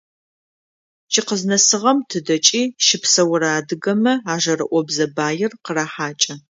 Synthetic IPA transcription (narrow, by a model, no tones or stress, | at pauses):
t͡ʃʰɪqəznɐsɨʁɐmtʰɨdɐt͡ʃʼiːʃɪpsɐwʊɾaːdɨɡɐmɐaːʒɐrɨ̰ʔʷɔbzɐbaːjɪrqəraːħaːt͡ʃʼɐ